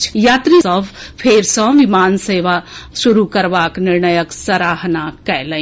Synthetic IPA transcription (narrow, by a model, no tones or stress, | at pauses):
t͡ʃjaːt̪ɾisəbʱpʰeːɾsɔ̃ʋimaːnseːʋaʃuɾukəɾbaːknɪɾnəjəksəɾaːɦnakɛjlə̃